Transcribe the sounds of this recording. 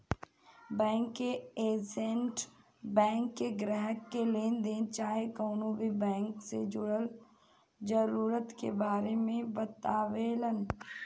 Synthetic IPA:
bɛ̃ːŋkːeeːd͡ʒẽɳʈ | bɛ̃ːŋkːeɡɾəɦəkːeleːnd̪eːnt͡ʃaːɦekoːnõbʱibɛ̃ːŋksed͡ʒʊɽəl | d͡ʒəɾuːɾət̪kḛbaːɾemẽbət̪aːʋeːlən

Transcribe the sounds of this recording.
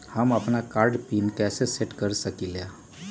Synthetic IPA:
həməpnakaɾɖpinkɛseseʈkəɾsəkilja

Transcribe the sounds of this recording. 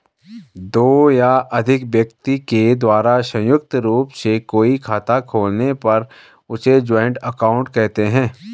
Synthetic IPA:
d̪oːjaʔɐd̪ʱɪkʋjəkt̪iked̪waːɾasɐ̃jʊk̚t̪ɾuːpsekoːikʰaːt̪akʰoːlnepɐɾ | ʊsed͡ʒɔ̃ːɪɳʈəkaːʊ̃ɳʈkɛɦt̪eɦɛ̃ː

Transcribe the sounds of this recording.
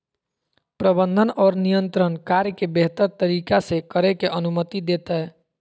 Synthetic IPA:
pɾəbənd̪ʱənɔːɾnijənt̪ɾənkaɾjəkebeɦt̪əɾt̪əɾiːkasekəɾekeʔənumət̪id̪et̪ɛɦ

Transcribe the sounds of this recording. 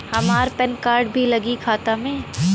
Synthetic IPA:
hɐmaːɾpɛnkaːɾɖbʱilɐɡikʰaːt̪amẽː

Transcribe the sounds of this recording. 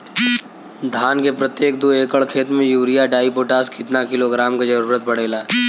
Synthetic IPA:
d̪ʱaːnkepɾət̪jeːk̚d̪ueːkəɭkʰeːt̪mẽjuːɾijaɖaːipoːʈaːskɪt̪nakɪloɡɾaːmked͡ʒɐɾuːɾət̪pɐɽ̤eːla

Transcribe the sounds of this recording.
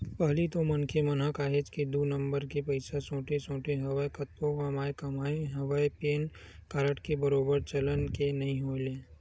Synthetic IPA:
pɐɦlit̪omɐnkʰemɐnɦakaːɦed͡ʒkid̪unɐ̃mbəɾkepɐɪsasõːʈesõːʈeɦɐʋaekɐt̪õɐmaːekɐmaːeɦɐʋaːepeːn | kaːɾəʈkebɐɾoːbəɾt͡ʃɐlənkenɐɦĩɦoːlẽː

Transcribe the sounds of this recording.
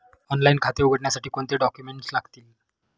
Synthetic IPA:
ɔnlainkʰat̪euɡəʈɳjasaʈiːkoɳt̪eɖɔkjumeɳʈslaɡt̪iːl

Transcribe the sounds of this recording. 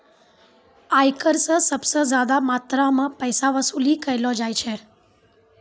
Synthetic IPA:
ajkəɾsəsəbsəzad̪amat̪ɾamãpəjsaʋəsulikəjlod͡ʒajt͡ʃʰe

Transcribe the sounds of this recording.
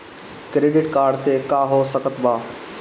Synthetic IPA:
kɾeːɖɪʈkaːɾɖsekaːɦosəkət̪baː

